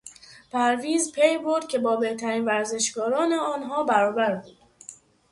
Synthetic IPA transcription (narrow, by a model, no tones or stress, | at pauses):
pʰæɾviːzpʰejboɾd̪̥̚cʰʲe̞bɒːbe̞ht̪ʰæɾiːnvæɾze̞ʃɡɒːɾɒːneɒːnɦɒːbæɾɒːbæɾbuːd̪̥